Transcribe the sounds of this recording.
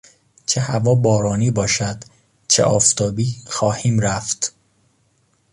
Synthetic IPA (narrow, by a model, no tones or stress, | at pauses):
t͡ʃʰehævɒːbɒːɾɒːniːbɒːʃæd̪ | t͡ʃʰeʔɒːft̪ʰɒːbiːxɒːhiːmɾæft̪